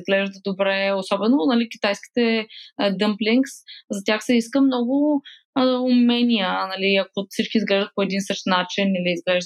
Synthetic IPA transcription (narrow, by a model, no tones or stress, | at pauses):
zɡlɛʒd̪əd̪obɾɛosɔbɛnonɐlikʲi̥t̪ajski̥t̪ɛd̪əmpliŋkszɐt̪ʲjaxsɛiskəmnɔɡʊ | ʊmɛnʲijənɐliɐkosit͡ʃkiːzɡlɛʒd̪ət̪̚poɛd̪insɤʃt̪nat͡ʃiniliːzɡlɛʒd̪